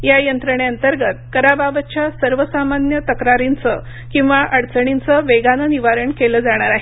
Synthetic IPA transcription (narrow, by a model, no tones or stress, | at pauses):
jajənt̪ɾəɳeənt̪əɾɡət̪̚kəɾababət͡ɕʰjasəɾʋəsamanjət̪əkɾaɾint͡sə | kĩw̃ʋaʔəɽt͡səɳ̃int͡səʋeɡanəniʋaɾəɳkeləːd͡zaɽ̃aɾaɦe